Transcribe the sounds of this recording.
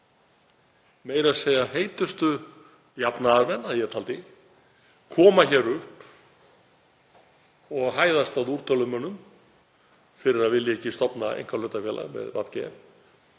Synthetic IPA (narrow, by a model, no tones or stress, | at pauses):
meːjɾaðseːjaheːjt̪ʏst̪ʏ | japnaavɛnaðjɛt̪ʰalt̪ɪ | kʰɔːmaçɛːɾʏhp | ɔɣɦaːjðast̪awðuɾ̥t̪ʰœlʏmœnːʏm | fɪɾɪɾaðvɪlːjɛcːɪst̪ɔpnaḛjŋ̥kaɾlœːt̪afjɛlʔa̰ɣmɛ̰ðva̰ðcɛɛ